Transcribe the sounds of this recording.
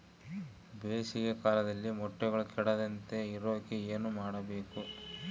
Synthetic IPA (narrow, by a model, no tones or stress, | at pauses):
beːsiɡekaːlɐd̪ɐlːimɔʈːɛɡɐɭukɛɽɐd̪ɐnt̪e̞iɾoːkeeːnumaːɽɐbe̞ːku